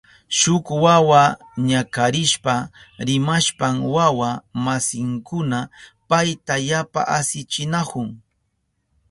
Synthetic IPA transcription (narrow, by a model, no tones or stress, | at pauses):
ʃʊkwawa | ɲakaɾɪʃpaɾɪmaʃpamwawamasɪŋkʊnapajt̪ajapa̰ʔasɪt͡ʃɪnakʊŋ